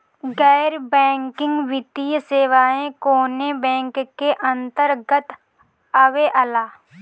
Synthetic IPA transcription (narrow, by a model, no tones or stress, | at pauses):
ɡɛːɾbɛ̃ːŋkɪ̃ŋɡʋɪt̪ijseːʋaːẽkoːnebɛ̃ːŋkkːeʔɐ̃nt̪əɾɡət̪ | əʋeʔəlaː